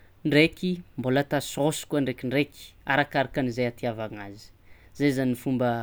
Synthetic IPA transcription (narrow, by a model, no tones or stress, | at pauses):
ɳɖ͡ʐekimbolat̪asosu̥kuaɳɖ͡ʐekiɳɖ͡ʐeki̥a̰ɾakaɾakanizejat̪iavaŋazi̥ | zezanifumbə